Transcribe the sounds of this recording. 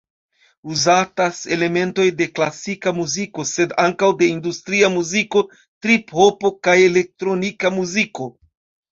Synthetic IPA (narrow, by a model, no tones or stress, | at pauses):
uzatase̞le̞me̞nto̞jde̞klasikamuziko̞se̞daŋkawde̞industɾiamuziko̞ | tɾiphopo̞kaje̞le̞k̚tɾo̞nikamuziko̞